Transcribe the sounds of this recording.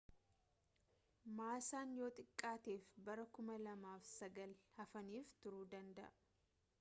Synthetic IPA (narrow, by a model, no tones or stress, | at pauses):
maːsaːnjo̞ːt̪ʼɪkʼːaːt̪eːfbɐɾɐkʊmɐlɐmaːfsɐɡɐlhɐfɐniːft̪ʊɾuːd̪ɐnd̪ɐ̰ʔɐ